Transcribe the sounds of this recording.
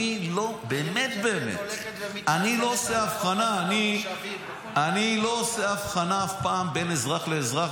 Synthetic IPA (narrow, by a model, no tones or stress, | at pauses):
ilo̞beːme̞t̪be̞ːmḛt̪ | anilo̞oseafχanaːni | anilo̞oseafχanaafpaːmbe̞nezʁaχle̞ːzʁa